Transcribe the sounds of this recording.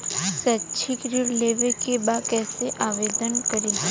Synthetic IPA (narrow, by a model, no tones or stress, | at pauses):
sət͡ʃʰikɾiɾleʋekebakɛːseʔaʋed̪ənkəɾi